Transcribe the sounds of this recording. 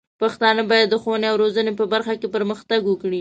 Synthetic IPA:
paxt̪ɑnəbɑjad̪ːəxowəneawɾozənepəbaɾxakepəɾməxt̪aɡwəkɽi

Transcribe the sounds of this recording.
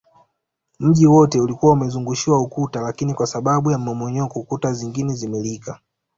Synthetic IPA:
m̩ʄiwɔtɛulikuwaumɛzuŋɡuʃiwaukutalakinikwasaɓaɓujam̩ɔmɔɲɔkukutaziŋɡinɛzimɛlika

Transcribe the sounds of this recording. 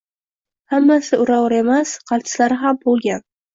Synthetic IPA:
hamːasɪʔʊɾawɾe̞masqʰɑlˠt̪ʰɪ̥slaɾɪɦambolˠɡʲan

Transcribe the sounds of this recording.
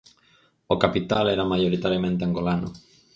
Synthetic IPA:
okapit̪alɛɾamajoɾit̪aɾjamẽnt̪eaŋɡolano̰

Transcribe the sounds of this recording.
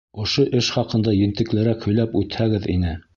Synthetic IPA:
ŏʃoʔɘʃχɑqɤ̆nd̪ɑjɘ̆nt̪ɘ̆klɘ̆ɾækhɵ̆jlæpʉt̪hæɡɘðḭnɘ

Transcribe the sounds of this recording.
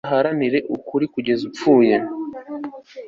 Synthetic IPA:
ɦaɾaniɾe̞ʔukuɾikuɟe̞zup͡fuːje

